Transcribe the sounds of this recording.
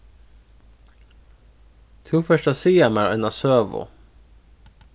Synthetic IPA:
t̪ʰuːfœʃʈɑsiːɛmæːɾɛnɑsøːʋʊ̰

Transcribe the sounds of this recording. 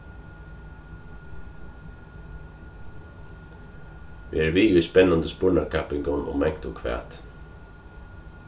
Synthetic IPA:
ʋḭæːɾʋiːɡʉspɛnɑnd̪əspuːɳɑɾkʰæpɪŋɡɔnɔ̰mɛŋt̪oːkʰʋæ̰ːt̪

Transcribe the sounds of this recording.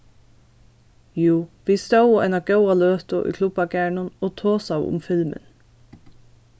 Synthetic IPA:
juːʋiːst̪əʊɛ̰ːnɑɡœʊɑløːt̪ʊʔḭːkʰlʊb̥ɑɡæːɳʊnoːt̪ʰoːsɑʊʔʊ̰mfɪlmə̰n

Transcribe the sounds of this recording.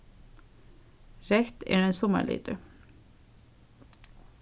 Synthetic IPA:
ɾɛkt̪ɛ̰ːɖɛnsɔmə̰ɭḭːt̪ə

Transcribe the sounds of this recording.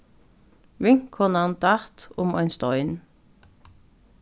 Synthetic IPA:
ʋɪŋkʰːɔnɑnd̪ɑt̪ʊmœɪnst̪ɔʏɪn

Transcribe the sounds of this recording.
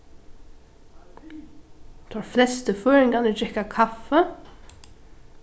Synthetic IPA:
t̪ʰɑːɹflɛst̪əføːɹɛŋɡɑnəd͡ʒɛkakʰɑfə

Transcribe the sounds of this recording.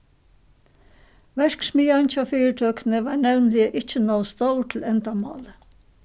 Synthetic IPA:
ʋɛɹksmiːant͡ɕɑfiːəʈʰøːknəʋɑːɹɳɛvnlɪəʔɪt͡ʃənɔʊst̪oʊʈʰɪl̩ɛnt̪amɑ̰ːlə

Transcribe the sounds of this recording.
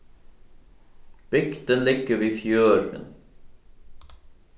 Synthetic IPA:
b̥ʏɡd̪ənlɪɡəʋiːfjøːɾə̰n

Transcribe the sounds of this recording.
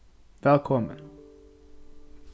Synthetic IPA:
vɛlkʰɔmə̰n

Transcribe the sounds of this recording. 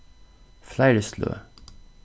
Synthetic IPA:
flæɪɹəslø̰ː

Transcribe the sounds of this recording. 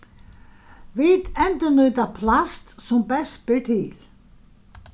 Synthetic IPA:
vɪt̪ɛnt̪ʏnœːt̪apʰlast̪sɔmpɛspɪɹt̪ʰɪl

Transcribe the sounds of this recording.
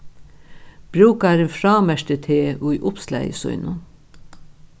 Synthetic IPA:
b̥ɾuːkɑæːɾeːnfɾɑːmæʃtət̪ʰeːʔuːiʔʊpslæ̰ɪsœ̰ʏnʊ

